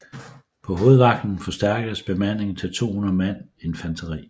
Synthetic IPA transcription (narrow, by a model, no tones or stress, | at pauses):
pʰɒ̽ɦo̝ːð̞̩ˠʋɑ̈ɡ̥̚d̥n̩fɒ̽sd̥æɐɡ̥ɐsb̥e̝mæn̰e̝ŋ̩t͡sʰet͡sʰo̝̰ːnɐmæn̰ | e̝nfænt͡sʰɐʁḭː